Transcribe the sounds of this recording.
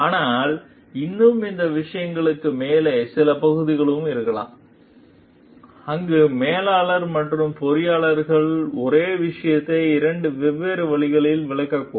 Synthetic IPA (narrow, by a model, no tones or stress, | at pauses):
aːnaːl | ɪnːɯmɪnd̪ɐʋɪʂɐjɐŋɡɐɭɯkːɯmeːlesɪlɐpɐɣɯðɪɣɐɭɯmɪɾɯkːɐɭa̰ːm | ɐŋɡɯmeːlaːɭɐɾmɐʈrɯmpɔɾɪjaːɭɐɾɣɐɭɔɾeːʋɪʂɐjɐt̪ːɐɪɾɐɳɖɯʋɛʋːeːɾɯʋɐɭɪɣɐɭɪlʋɪɭɐkːɐkːu